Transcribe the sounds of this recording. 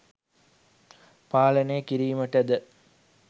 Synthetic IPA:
paːləneəkiɾiːməʈəd̪ə

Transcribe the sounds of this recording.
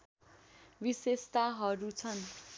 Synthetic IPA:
bisest̪aɦʌɾut͡sʰʌn

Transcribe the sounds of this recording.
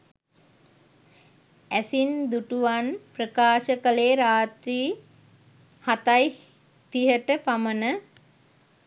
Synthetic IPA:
æsind̪uʈuʋanprəkaːʃəkəleːɾaːt̪ɾiː | hat̪aj | t̪iɦəʈəpamənə

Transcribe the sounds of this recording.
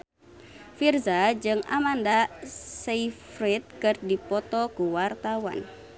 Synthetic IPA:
firzad͡ʒɨŋa̰mandaseifɾit̪̚kɨrdipɔt̪ɔkuwart̪awa̰n

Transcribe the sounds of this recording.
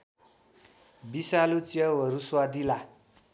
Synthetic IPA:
bisalut͡sjʌwʌɾuswad̪ila

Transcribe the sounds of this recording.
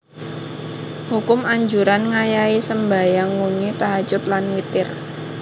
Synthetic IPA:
hukʊmaɲd͡ʒuɾanŋajaisəmbajaŋwuŋit̪aɦḁd͡ʒ̥ʊt̪̚lanwit̪ɪr

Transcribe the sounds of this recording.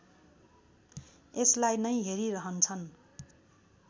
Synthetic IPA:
eslajnʌjɦeɾiɾʌɦʌnt͡sʰʌn

